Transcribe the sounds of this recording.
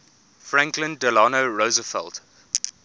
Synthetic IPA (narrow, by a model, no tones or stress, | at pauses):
fɹãŋklə̃ndəlɑnoɹozəfɛ̰lˠt